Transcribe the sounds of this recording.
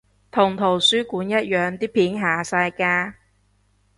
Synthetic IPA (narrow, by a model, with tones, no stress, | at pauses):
t̪ʰʊ˨˩ŋt̪ʰo˨˩wsyː˥kuː˨˥njɐ˦˥t̚jœː˨˧ŋt̪iː˥pʰiː˨˥nɦaː˨˩saː˧jkaː˧